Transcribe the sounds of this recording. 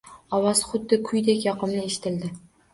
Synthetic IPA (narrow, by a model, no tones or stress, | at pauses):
ɒwɑzχʊd̪ːɪkʰʊjd̪ekʲjɒqɨmnɪeʃɪ̥t̪ʰɪld̪ɪ